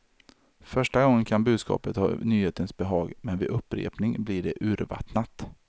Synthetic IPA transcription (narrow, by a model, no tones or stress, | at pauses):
fœʂʈaɡɔŋːənkʰanbʉ̟ːd̪skɑ̰ːpət̪hɑ̰ːnyːheːt̪ənsbɛɦɑːɡmɛnvɪʔɵpːɾḛːpnɪŋblɪɖɛʔʉ̟ːɾva̰t̪nat̪